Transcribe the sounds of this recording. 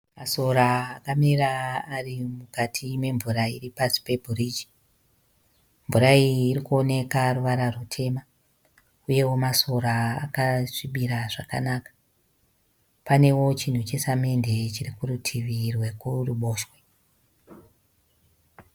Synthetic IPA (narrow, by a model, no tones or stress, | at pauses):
maso̞ɾaːkamiraːrimukatʰime̞ɱvuɾaḭripasi̥pe̞bʱuriːd͡ʒi̥ | mvuɾaiːrikuo̞ne̞karuʋaɾarutʰe̞ːma | uje̞wo̞maso̞ɾa̰ːkaʂiɓiɾaʐaka̰naːkḁ | pane̞wo̞t͡ʃin̤ut͡ʃe̞same̞nde̞t͡ʃirikurutʰiʋirwe̞kuruɓo̞ːʃwe̞